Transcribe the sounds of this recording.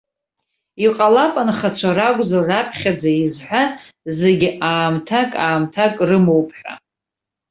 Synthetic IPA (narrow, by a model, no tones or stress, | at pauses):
iqʼalapʼanχat͡ɕʷʰaraɡʷzarapʰχʲad͡zaizħʷᶣazzeɡʲiʔaːmtʰakʼaːmtʰakʼrɨmowpʰʼħʷᶣa̰